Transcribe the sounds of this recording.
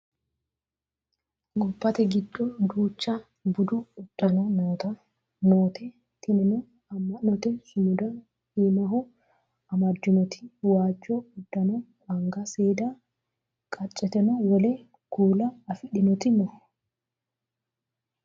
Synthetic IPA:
ɡɔpːɐt̪ɛɡɪd̪ːɔd̪uːt͡ʃːɐ | bʊd̪ʊːd̪̥ːɐnɔnoːt̪ɐ | noːt̪ʰɛ | t̪ɪnɪnɔ | ɐmːɐnɔt̪ɛsʊmʊd̪ɐ | himɐɦɔ | ɐmɐd͡ʒːʊmɔt̪ʰɪ̥waːd͡ʒːoʊd̪ːɐnɔwɐŋɡɐseːd̪a | kʼɐt͡ʃʼːɛt̪ɛnɔwɔleː | ɡ̥uːlɐːfɪᶑɪnɔt̪ɪmɔ

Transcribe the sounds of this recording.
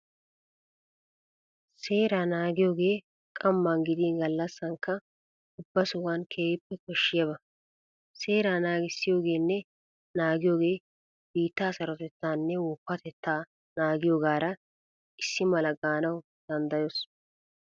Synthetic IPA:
se̞ːɾaːnaːɡɪjo̞ːɡe̞ː | kʼɐmːanɡɪd̪inɡɐlːɐsːɐŋkːɐ | ʊbːɐsʊɡaːnkʰeːɪpːɛkɔʃːɪjɐbɐ | se̞ːɾaːnaːɡɪsːɪjo̞ːɡe̞ːnːɛ | naːɡɪjo̞ːɡe̞ː | b̥iːt̪ːaːsɐɾɔt̪ɛt̪ːaːnːɛwɔpːɐt̪ɛt̪ːaː | naːɡɪjoːɡaːɾɐ | ʔɪsːɪmɐlɐɡaːnɐw | d̪̥ɐnd̪ɐjos

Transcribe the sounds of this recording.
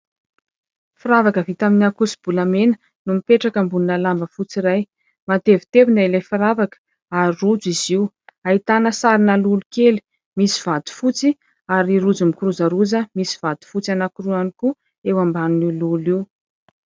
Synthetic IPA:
fiɾavakəvit̪aminakusi̥b̥ulamenə | numipeʈ͡ʂakəmbuninəlambəfut͡siɾaj | mat̪evi̥t̪evinailajfaɾavakə̥ | aɾirud͡ziziw | ait̪anəsaɾinəlulukeli̥ | misiv̥ad̪u̥fut͡si | aɾiɾud͡zumikuɾuzəɾuzəmisi̥v̥ad̪̥u̥fut͡sanakuruaniku | ewambanuniluliw

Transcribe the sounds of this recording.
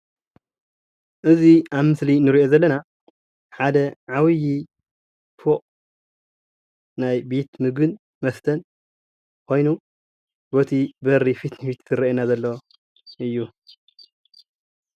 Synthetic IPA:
ʔɨziʔaβmɨslinɨɾiʔo̞zɐlːɐna | ħad̪ɐʕawɨji | foʔ | najbet̪mɨɡɨn | mɐft̪ʰɐn | kʰo̞jnu | bot̪ʰibɐɾːifit̪nɨfit̪ɨɾɐenazɐlːɐ | ʔɨjːu

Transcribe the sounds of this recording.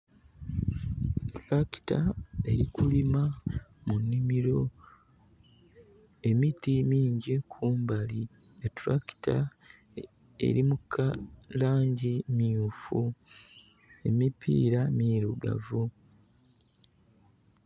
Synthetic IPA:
tɾaki̥tae̞ɾikulimamunːimiɾo̞ | e̞mitimiːɲɟikʰuːmbali | etɾaki̥ta̰ | e̞̰ɾimukʰːalaːɲɟimijufu | e̞mipʰḭːɾamiːɾuɡa̰vu

